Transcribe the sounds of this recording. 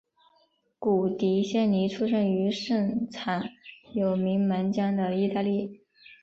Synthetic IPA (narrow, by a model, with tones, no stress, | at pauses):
ku˨˩t̪i˧˥ɕjɛ˥˩nli˧˥ʈ͡ʂʰu˥ʂə˥˩ŋy˧˥ʂə˥˩ŋt͡sʰa˨˩˦njo˨˩ʊmi˧˥ŋmə˧˥nt͡ɕjɑ˥ŋd̪ə˨i˥˧t̪a˥˧li˥˩